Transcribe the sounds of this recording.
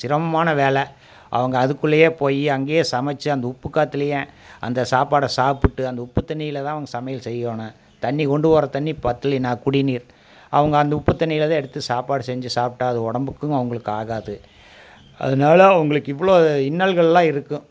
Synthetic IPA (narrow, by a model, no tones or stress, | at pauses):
sɪɾɐmɐmaːnɐʋeːlɛ | ʔɐ̰ʋɐŋɡɐːðɯkːɯɭːɐjeːpoːjiɐŋɡeːsɐmɐt͡ʃːɯɐnd̪ɐʊpːɯkːaːt̪ːɪlɐjẽɐ̰nd̪ɐsaːpaːɽɐsaːpɯʈːɯɐnd̪ɐʊpːɯt̪ːɐnɪjɪlɐt̪ãːɐʋɐŋɡɐsɐmɐjɐlsɛjːoːnɐ | t̪ɐɳːikɔɳɖɯpoːɾɐt̪ɐnːipɐt̪ːɯlɪnaːkʊɽɪniːɾ | ɐ̰ʋɐŋɡɐːnd̪ɐʊpːɯt̪ːɐnɪjɪlt̪ãːɛɽɯt̪ːɯsaːpaːɽɯsɛɲd͡ʒɯsaːp̚ʈːaɐðɯɔɽɐmbɯkːɯ̃ɐʋɐŋɡɐɭɯkːɯaːɣaːðɯ | ʔɐ̰ðɐnaːlɐɐʋɐŋɡɐɭɯkːɪʋːɐɭoːɪnːɐlɣɐɭɛlːãːɪɾɯkːɯ̃